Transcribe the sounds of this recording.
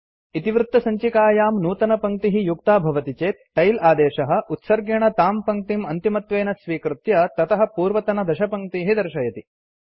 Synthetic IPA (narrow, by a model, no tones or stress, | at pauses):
it̪iʋɾut̪ːɐsɐɲt͡ʃikaːjaːmnuːt̪ɐnɐpɐŋk̚t̪iɦijuk̚t̪aːbʱɐʋɐt̪it͡ʃeːt̪̚ʈɐjlaːd̪eːʃɐɦɐ̆ʔut̪sɐɾɡjɐɳ̃ɐt̪aːmpɐŋk̚t̪imɐnt̪imɐt̪ʋeːnɐsʋiːkɾut̪jɐt̪ɐt̪ɐɦɐ̆puːɾʋɐt̪ɐnɐd̪ɐʃɐpɐŋk̚t̪iːɦid̪ɐɾʃɐjɐt̪i